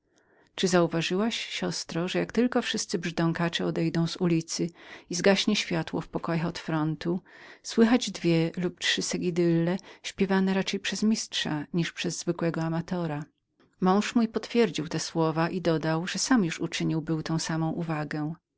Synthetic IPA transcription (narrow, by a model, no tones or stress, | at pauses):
t͡ʂɘzauvaʐɘwaɕɕɔst̪ɾɔʐɛjakt̪ɘlkɔfʂɘst̪sɘbʐd̪ɔŋkat͡ʂɛɔd̪ɛjd̪ɔ̃w̃zulʲit̪sɘizɡaɕɲɛɕfʲjat̪wɔ̰fpɔkɔjaxɔt̪fɾɔnt̪uswɘxad͡ʑd̪vʲjɛluptʂɘsɛɡʲid̪ɘlːɛɕpʲjɛvanɛɾat͡ʂɛjpʂɛzmʲistʂaɲiʂpʂɛzːvɘkwɛɡɔamat̪ɔɾa | mɔ̃w̃ʂmujpɔt̪fʲjɛɾd͡ʑiwt̪ɛswɔvaʔid̪ɔd̪awʐɛsamjuʂut͡ʂɘɲiwbɘwt̪ɔ̃w̃samɔ̃w̃ʔuvaɡɛ